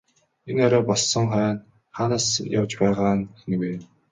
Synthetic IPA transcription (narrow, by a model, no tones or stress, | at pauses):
enɔɾʲɔːpɔɮsɞ̆ŋχœːn | χaːnaːsjawt͡ɕpæːʁaːnen̆weː